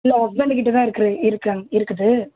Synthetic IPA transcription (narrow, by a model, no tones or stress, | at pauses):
lːɐɔk̚beɳɖɯkɪʈːɐt̪ãːɪɾɯkːɯɾɯɪɾɯkːɐŋɪɾɯkːɯðɯ